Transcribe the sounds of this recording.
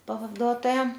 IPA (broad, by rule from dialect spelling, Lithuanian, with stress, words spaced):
pɐʋɐˈduɔtoːjɛ